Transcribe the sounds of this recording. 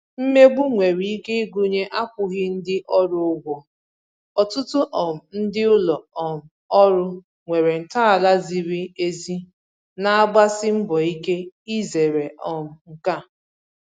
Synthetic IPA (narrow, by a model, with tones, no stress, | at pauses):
m̩˦me˦ɡ͡bu˦ŋʷe˨ɾi˨i˦ke˦i˦ɡu˦ɲe˦ʔa˦p̚ʊ˨ɣɪ˦n̩˦dɪ˦ʔɔ˦ɾʊ˦ʊ˦ɡʷɔ˨ | ɔ˨tʊ˦tʊ˦ʔɔ˨m̩˨n̩˦dɪ˦ʊ˦lɔ˨ɔ˨m̩˨ɔ˦ɾʊ˦ | ŋʷe˨ɾe˨n̩˨ta˦a˨la˦zi˨ɾi˦e˦zi˦ | na˨a˦ɡ͡ba˦sɪ˦m̩˦bɔ˨i˦ke˦i˦ze˨ɾe˨ʔɔ˨m̩˨ŋ̩˨ka˦˨